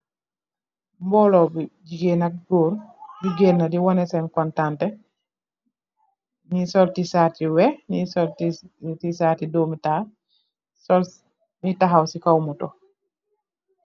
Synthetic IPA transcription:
mbɔlɔbid͡ʒiɡenak̚ɡɔːɾdiɡenːadiwɔnɛsɛnkɔntantɛ | nisɔltisatiwɛnisɔltitisaːtidɔmita | sɔl | mitaɦawsikawmutɔ

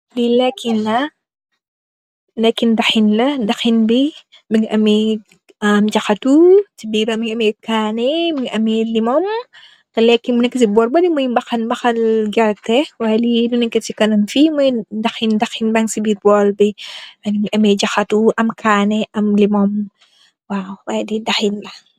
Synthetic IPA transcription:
bilɛkːinlɐ | lɛkːindɐxinlɐdɐxinbi | biŋʔɐmɛ | ɐmd͡ʒɐxɐtusibiɾɐmiŋɐmɛkaːnɛbiŋʔɐmilimɔm | tɐlɛkːimunɛkːɐsibɔːɾbɐdimujbɐxɐnbɐxɐlɡɛɾtːɛwalidunɛkːitikɐnɐmfimujdɐxindɐxinbɐŋsibiːɾbɔːlbiɐbiŋɐmɛɟɐxɐtuʔɐmkʰaːnɛʔɐmlimɔm | waːwwajdidɐxinlɐ

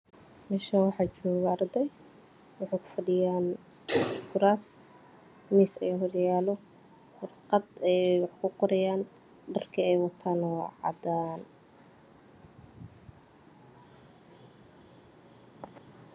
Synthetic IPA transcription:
mɛʃawɑħɑːt͡ʃɔːɣɐɐrd̪ɛj | wɑħaːkʰʊ̥fɐɖɪjaːn | ɡʊɾaːs | misɐ̰jɔɦɔrjaːlɔ | fʊrqɑd̪ɛjwɑħkʰʊqɔɾɛjaːn | ɖɐrkʰɐɛjwɑt̪ʰaːnɔʕɑ̰d̪aːn

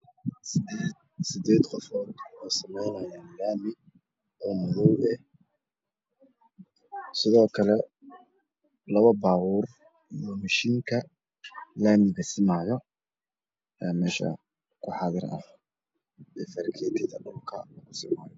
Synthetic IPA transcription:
sɪd̪eːd̪qɔfɔːd̪wɛjsɐmɛjnɐjaːnlaːmɪ | ɔːmɔðɔwɛh | sɪðɔːkʰɐlɛ | lɐβɐbaːɣuːr | ijɔmɐʃiːŋkʰɐ | laːmɪɣɐsɪmaːjɔ | ɛːmɛːʃɐ̰ | kʰʊħɑðɪrɐ̰h | ɛːfɐɾkʰɛːt̪ʰɪðɐɖʊlkʰɐ̰lɐɣʊsɪma̰ːjɔ

